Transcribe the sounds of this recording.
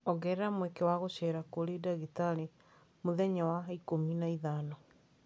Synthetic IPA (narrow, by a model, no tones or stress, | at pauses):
ɔɣɛɾɛɾamwekewaɣoɕɛɾakoɾedaɣitale | moðɛɲawaikominaiðanɔ